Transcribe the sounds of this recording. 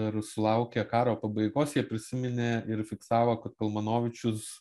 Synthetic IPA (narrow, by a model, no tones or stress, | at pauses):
ɪɾsʊlˠɐʊkʲekɑːɾoːpɐbɐɪɡoːsjiɛpʲɾʲɪsʲɪmʲɪnʲeːɪɾfʲɪksɑːʋoːkɐt̪kɐlˠmɐnoːʋʲɪt͡ʃʲʊs